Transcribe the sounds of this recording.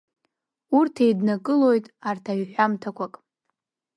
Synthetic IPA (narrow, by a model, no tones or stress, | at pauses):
urtʰejdnakʼɨlo̞jtʼartʰaɥħᶣamtʰakʷʰakʼ